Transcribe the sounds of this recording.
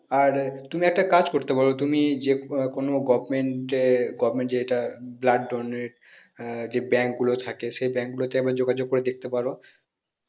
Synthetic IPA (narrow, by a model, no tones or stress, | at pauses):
aɾt̪umiɛk̚ʈakad͡ʑkoɾt̪epaɾot̪umid͡ʑekonoɡɔbmeɳʈeɡɔbmeɳʈd͡ʑeeʈablaɖɖoneɾ | d͡ʑebɛŋkɡulot̪ʰakeʃejbɛ̃ŋk̚ɡulot̪eebaɾd͡ʑoɡad͡ʑoɡ̚koɾed̪ek̚ʰt̪epaɾo